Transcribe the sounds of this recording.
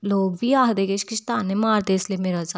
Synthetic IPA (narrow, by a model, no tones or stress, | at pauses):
loːɡbʱiːaːɦd̪eːkeʃkɪʃt̪aːnẽmaːɾd̪eːɪsliemeːɾad͡ʒa